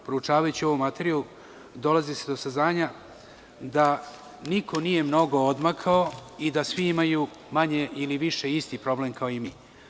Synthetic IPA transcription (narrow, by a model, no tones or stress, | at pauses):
pɾout͡ʃaːʋajut͡ɕio̞ʋo̞mat̪eɾialu | d̪o̞lazise̞d̪o̞saznaːɲa | d̪a | nikʰo̞nije̞mno̞ɡo̞od̪makʰao̞id̪asʋiimaju | maɲe̞ʔiliʋiʃe̞ist̪ipɾo̞ble̞mkʰaoimiː